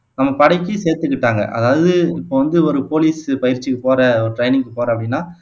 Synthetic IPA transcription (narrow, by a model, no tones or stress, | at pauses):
nɐmːɐpɐɽɐɪkːɯseːɾt̪ɯkːɪʈːaːŋɡɐ̰ʔɐ̰ðaːʋɐðɯɪpːoːʋɐnd̪ɯɔɾɯpoːliːspɐjɪɾt͡ʃːikːɯpoːɾɐɔɾɯʈɾɐɪnɪŋkːɯpoːɾɐpːɐɽɪnːaː